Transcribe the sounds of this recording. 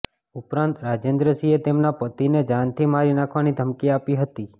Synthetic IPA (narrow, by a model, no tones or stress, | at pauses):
upɾãnt̪ɾad͡ʒend̪ɾəsiet̪emnapət̪ined͡ʒant̪ʰimaɾinakʰʋanid̪ʱəmkiapiɦət̪i